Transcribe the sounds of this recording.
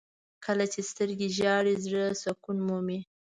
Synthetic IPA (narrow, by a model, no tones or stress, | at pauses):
kʰəlat͡ʃest̪əɾɡeʒɑɽizɽəsakunmumi